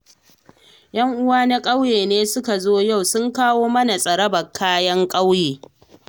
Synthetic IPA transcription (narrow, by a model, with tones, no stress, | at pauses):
jɐ˦ŋʔʊ˦waː˦na˦kʼa˦wjeː˨neː˦sʊ˦ka˨zoː˦ja˦˨wsʊ˦ŋkaː˦woː˦mɐ˦na˨sʼɐ˨ɾɐ˦bɐ˨kʰːaː˦jɐ˦ŋkʼa˦wjeː˨